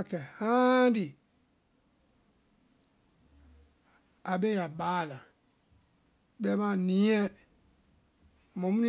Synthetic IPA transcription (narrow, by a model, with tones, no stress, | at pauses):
a˨kɛ˨hã˦di˨ | a˨be˦ja˨ɓaː˨˦˨lã˨ | ɓɛ˦mã˨nĩ˨˦ɛ̃˦ | mõ˨mũ˦n˦